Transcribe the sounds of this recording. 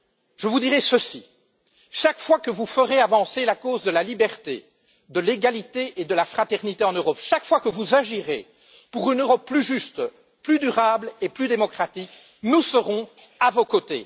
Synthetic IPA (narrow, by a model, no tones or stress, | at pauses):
ʒəvud̪iʁɛsəsi | ʃakfwakəvufəʁeavɑ̃selakozd̪əlalibɛʁt̪ḛ | d̪əleɡalit̪eʔed̪əlafχat̪ɛʁnit̪eɑ̃nøʁɔpʃakfwakəvuzaʒiʁe | puʁynøʁɔpːlyʒyst̪ | plyd̪yʁableplyd̪emɔkχat̪ik | nusəʁɔ̃ | avokot̪ḛ